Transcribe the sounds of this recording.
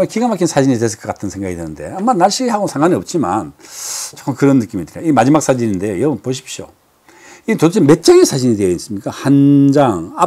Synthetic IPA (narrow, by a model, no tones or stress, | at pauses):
makiɡamak͈ʰinsʰad͡ʑiɲit̬es̬ʰɯɭk͈ʌk͈atʰɯnsʰe̞ŋɡaɡidwenɯnde̞̰amːanaɭɕ͈iɡiɦaɡosʰaŋaniʌp̚t͡ɕ͈ima̰nt͡ɕok͈ʌmkɯɾʌnːɯk͈imitɯɾo̰imad͡ʑimak̚s͈ad͡ʑininde̞jojʌbɯnpoɕ̬ʰi̥p̚ɕ͈o̰ | itoot͡ɕʰeme̞t̚t͡ɕ͈ʌɡinsʰad͡ʑiɲideeis͈ɯmɲik͈ahand͡ʑaŋa